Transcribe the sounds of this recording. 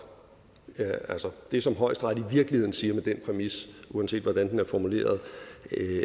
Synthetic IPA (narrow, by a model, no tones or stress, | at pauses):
æælsəd̥e̝sɒ̽mɦɒ̽ɪ̰sd̥ʁɑ̈ðˠiʋiɐɡ̥lihḛn̩siːɐmed̥enpʰʁɛmisuɛnse̝̰ːd̥ʋɒd̥ænd̥enæɐfɒmule̝̰ːɐð̞̩ˠ